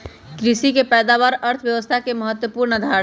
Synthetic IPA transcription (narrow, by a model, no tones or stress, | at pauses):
kɾisikepɛːd̪aʋaɾəɾt̪ʰʋjəʋəst̪ʰakeməɦət̪wəpuɾnd̪ʱa